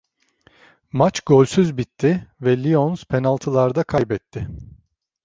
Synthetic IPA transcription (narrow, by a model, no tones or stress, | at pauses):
mat͡ʃɡolʲsyzbit̪ʰːɪvɛlʲionz̥pʰenalˠt̪ʰɯlˠaɾd̪akʰajbɛt̪ʰːɪ